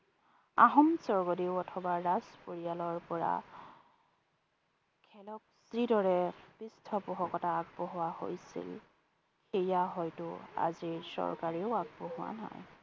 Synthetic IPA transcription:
a̰ɦɔmsɔɹɡɔdiʊɔtʰɔbaɹazpoɹijalɔɹpɔɹa̰ | kʰɛlɔk̚sɹidɔɹɛpistʰɔpʊɦɔkɔtaːɡ̚bɔɦʊwaho̰jsḭl | xejaɦɔjtʊa̰ziɹsɔ̰ɹkaɹiʊaɡ̚bɔɦʊwa̰na̰j

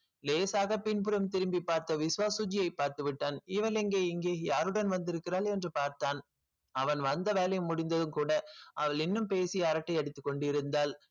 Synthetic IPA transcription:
leːsaːɣɐpɪnpɯɾɐmt̪ɪɾɯmbipːaːɾt̪ɐʋɪsʊʋaːsʊd͡ʒɪjɐɪpːaːɾt̪ɯʋɪʈːaːnɪʋɐlɛŋɡeːɪŋɡeːjaːɾɯɽɐnʋɐnd̪ɪɾɯkːɪɾaːlɛndrɯpaːɾt̪aːn | ɐʋɐnʋɐnd̪ɐʋeːlɐjɯmːʊɽɪnd̪ɐðɯmkuːɽɐʔɐʋɐɭɪnːɯmpeːsɪjɐːɾɐʈːɐɪɐɽɪt̪ːɯkːɔɳɖɪɾɯnd̪aːl

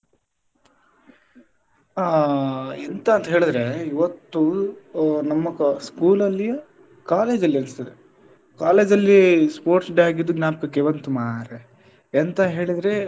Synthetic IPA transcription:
a | ent̪ɐːnt̪ɐɦeːɭid̪ɾeiʋɐt̪ːu | nɐmːɐkskuːlɐlːijɐ | kaːle̞ːd͡ʒɐlːiɐnist̪ɐd̪e | kaːle̞ːd͡ʒɐlːispoːɾʈsɖaːɡid̪ːuɡnaːpɐkɐkeʋɐnt̪umaːɾeː | nt̪ɐɦe̞ːɭid̪ɾe

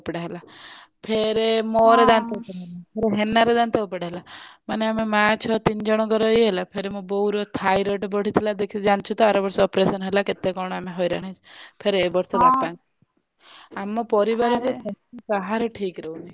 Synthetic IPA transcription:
pɽaɦela | pʰeɾemɔɾed̪ant̪epɽanpʰeɾeɦenaɾed̪ant̪eupaɽeɦelamaneamemãt͡ʃʰɔt̪ind͡ʒɔɽ̃ɔɡɔɾɔiɦelapʰeɾemɔ̃bɔɦuɾɔt̪ʰajɾɔʈbɔɽ̤it̪ʰilad̪ekʰid͡ʒant͡ʃʰut̪ɔaɾɔbɔɾsɔɔpɾesɔnɦelaket̪ekɔɽ̃ɔameɦɔjɾaɽ̃et͡ʃʰpʰeɾebɔɾsɔbapãŋ | amɔpɔɾibaɾɔket̪ʰɛkaɦaɾeʈʰikɾeɦunai

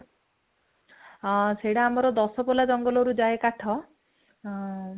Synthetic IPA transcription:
seɽaːmɔɾɔd̪ɔsɔpɔlad͡ʒɔŋɡɔlɔɾud͡ʒaekaʈʰɔ

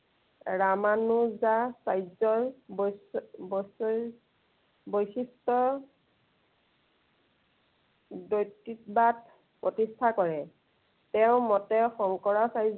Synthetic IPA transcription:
ɹamanuzasajzɔɹbɔsbɔsɔ | bojsistɔ | dojtːit̚bad | pɹotistʰakɔɹɛ | tɛʊ̃mɔtɛxɔŋkɔɹasajz

